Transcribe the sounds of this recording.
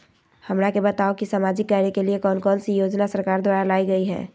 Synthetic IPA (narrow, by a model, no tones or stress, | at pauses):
həmɾakebət̪aokisaːmad͡ʒɪkːaːɾjəkeliekɔːnkɔːnsijoːd͡ʒnasəɾkaːɾd̪waːɾalaːiɡəiɦɛ̰̃ː